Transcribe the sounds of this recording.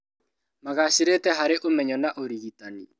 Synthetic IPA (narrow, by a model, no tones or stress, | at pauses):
maɣaɕiɾetɛɦaɾeʔomɛɲɔnaʔoɾiɣitani